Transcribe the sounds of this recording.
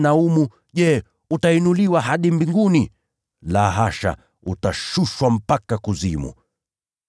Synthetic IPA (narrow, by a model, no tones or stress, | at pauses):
naumu | ʄɛ | utainuliwaɦaɗimbiŋɡuni | laɦaʃa̰ | utaʃuʃwam̩pakakuzimṵ